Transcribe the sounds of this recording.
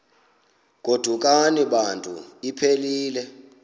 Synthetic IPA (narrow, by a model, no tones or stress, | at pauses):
k̬ʼod̥ʱuk̬ʼaniɓantʼṵipʰeliːlɛ